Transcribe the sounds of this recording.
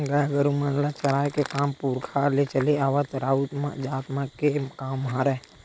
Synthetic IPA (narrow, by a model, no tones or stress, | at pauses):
ɡaɡəɾumənlat͡ʃɐɽaːjkekaːmpuːɾkʰalet͡ʃəleaːʋat̪ɾaːut̪ma̰d͡ʒaːt̪makekaːmɦaɾɛː